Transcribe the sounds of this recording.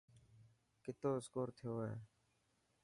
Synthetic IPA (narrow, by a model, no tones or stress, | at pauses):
kɪt̪oːɪskoːɾt̪ʰɪjoːɦeː